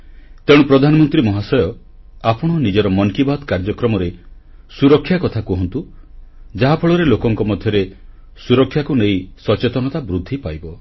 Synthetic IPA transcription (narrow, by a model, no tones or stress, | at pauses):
t̪ẽupɾɔd̪ʱanɔmɔnt̪ɾimɔɦasɔjɔ | apɔɽ̃ɔnid͡ʒɔɾɔmɔŋkibad̪kaɾd͡ʒɔkɾɔmɔɾe | suɾɔkʰːjakɔt̪ʰakuɦɔnt̪u | d͡ʒaɦapʰɔɭɔɾelokɔŋkɔmɔd̪ʱjɔɾe | suɾɔkʰːjakunejsɔt͡ʃet̪ɔnɔt̪abɾud̪ʱːipajbɔ